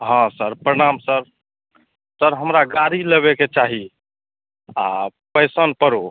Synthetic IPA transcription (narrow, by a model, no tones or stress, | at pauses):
ɦãsəɾpɾəɽ̃amsəɾ | səɾɦəmɾaɡaɾiləβeket͡ʃaɦi | apəjsənpəɾo